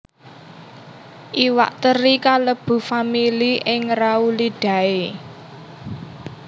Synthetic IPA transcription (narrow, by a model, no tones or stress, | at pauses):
ʔiwa̰ʔt̪əɾikaləb̥ṳfamiliʔɪŋrauliɖ̥ä̤e